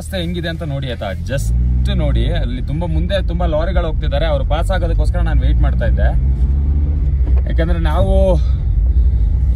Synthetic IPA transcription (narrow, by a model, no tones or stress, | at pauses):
st̪eɦeŋɡid̪e̞ɐnt̪ɐno̞ːɽiɐt̪a̰d͡ʒɐsʈno̞ːɽiɐlːit̪umbɐmund̪e̞t̪umbɐlaːɾiɡɐɭɦo̞ːɡ̚t̪id̪aːɾe̞ɐʋɐɾupaːsaːɡoːd̪ɐkːoːskɐɾɐnaːnuʋejʈmaːɖt̪aːjid̪ːe̞ | ja̰ːkeːnd̪ɐɾe̞naːʋu